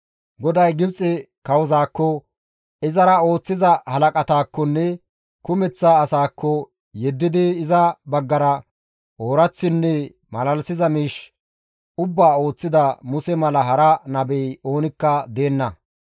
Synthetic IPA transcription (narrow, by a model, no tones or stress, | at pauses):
ɡɔd̪ɐjɡɪbt͡sʼɛ | kɐwzaːkːɔ | ɪzɐɾɐo̞ːt͡sːɪzɐhɐlɐkʼɐt̪aːkːɔnːɛ | kʊmɛt͡sːaːsaːkːɔ | jɛd̪ːɪd̪ɪːzɐbɐɡːɐɾɐ | oːɾɐt͡sːɪnːɛ | mɐlɐlsɪzɐmiːʃ | ʊbːaːo̞ːt͡sːɪd̪ɐmʊsɛmɐlɐɦɐɾɐnɐbɛjo̞ːnɪkːɐd̪e̞ːnːɐ